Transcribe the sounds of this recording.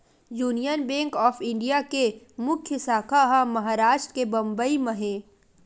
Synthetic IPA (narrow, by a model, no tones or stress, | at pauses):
juːnijənbẽːŋkɔːfɪ̃ɳɖijake | mʊkʰjəsaːkʰaɦamɐɦaːɾaːʃʈɾəkebɐ̃mbəimɐɦẽː